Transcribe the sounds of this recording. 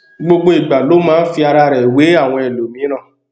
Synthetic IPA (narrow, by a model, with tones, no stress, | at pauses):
ɡ͡bo˧ɡ͡bo˧i˨ɡ͡ba˨lo˨˦mãː˦fi˧a˧ɾa˧ɾɛ˨we˨˦a˦˨w̃ɔ̃˧ɛ˨lo˨mĩ˨˦ɾ̃ã˦˨